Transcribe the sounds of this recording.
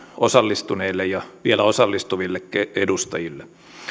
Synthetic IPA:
osɑlːist̪uneːlːejjɑʋielæosɑlːist̪uʋilːekkeedust̪ɑjilːe

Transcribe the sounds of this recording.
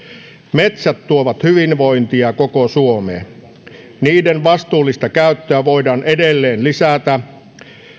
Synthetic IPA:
met̪sæt̪ːuoʋɑt̪hyʋinʋo̞int̪iɑkokosuomeː | niːdenʋɑst̪uːlːist̪ɑkæyt̪ːøæʋo̞jdɑːnedelːeːnlisæt̪æ

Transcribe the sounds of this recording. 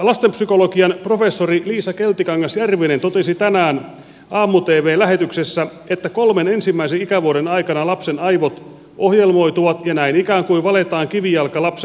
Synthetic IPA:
lɑst̪empsyko̞lo̞kiɑnprofe̞sːoriliːsɑke̞lt̪ːikɑŋːɑsjærʋinent̪o̞t̪e̞sit̪ænæːn | ʔɑːmːut̪eːʋe̞ːlæɦe̞t̪yksesːæ | et̪ːæko̞lme̞ne̞nsimːæisenikæʋuoɾenɑikɑnɑlɑpsenɑjʋot̪ | ʔohjelmo̞it̪uʋɑt̪jɑnæinikæːŋkuiʋɑle̞t̪ɑːŋkiʋijɑlkɑlɑpse

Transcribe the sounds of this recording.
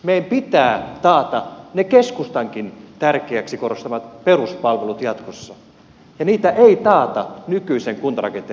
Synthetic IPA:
meiæmpit̪æːt̪ɑːt̪ɑnekeskust̪ɑŋkint̪ærkeæksikorost̪ɑʋɑt̪peruspɑlʋelut̪jɑt̪kosːɑ | jɑniːt̪æʔeit̪ɑːt̪ɑnykyiseŋkunt̪ɑrɑ̰kent̪e

